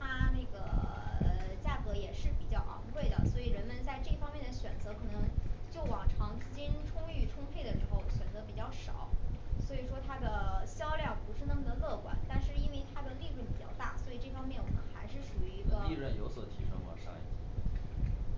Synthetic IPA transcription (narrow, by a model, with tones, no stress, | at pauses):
t̪ʰa˥ne˥˩ɡə˩˧ | t͡ɕja˥˩kɤ˧˥jɛ˨˩ʂɻ̩˥˩pi˨˩t͡ɕjɑ˥˩ʊʔɑ̰˧˥ŋkʰwe˥˩ɪd̪ə̰˩swɔ˧˥i˨˩ɻə˧˥nmə˧nt͡sa˥˧ɪʈ͡ʂɤ˥˩fɑ˥ŋmjɛ˥˩nd̪ə˩ɕɥɛ˨˩nt͡sɤ˧˥kʰɤ˨˩nɤ˧˥ŋt͡ɕjo˥˩ʊwɑ̰˨˩ŋʈ͡ʂʰɑ˧˥ŋ˥˧˩t͡ɕi˥nʈ͡ʂʰʊ˥ŋy˥˩ʈ͡ʂʰʊ˥ŋfe˥˩ə˩ʂɻ̩˧˥xo˥˧˩ʊɕɥɛ˨˩nt͡sɤ˧˥pi˨˩t͡ɕjɑ˥˩ʊʂɑ˨˩˦ʊswɔ˧˥i˨˩ʂwɔ˥t̪ʰa˥d̪ə˨ɕjɑ˥ʊljɑ˥˩ŋpu˧˥ʂɻ̩˥˩nɤ˧˥ŋɡ̪ə˧˥lɤ˥˩kwa̰˨˩˦nt̪a˥˧nʂɻ̩˥˩i˥nwe˥˩ɪt̪ʰa˥d̪ə˨li˥˧lwu˥˩pi˨˩t͡ɕjɑ̰˥˧ʊt̪a̰˥˩swɔ˧˥i˨˩ʈ͡ʂɤ˥˩fɑ˥ŋmjɛ˥˩nwɔ˨˩mə̰˧˦nxa˧˥ɪʂɻ̩˥˩ʂu˨˩y˧˥i˧˥ɡə˧i˥˧ɻə˥˩njo˧˥ʊswɔ˨˩t̪ʰḭ˧˥ʂɤ̰˥ŋwɔ̰˨˩ʂɑ̰˥˧ŋḭ˥˩t̪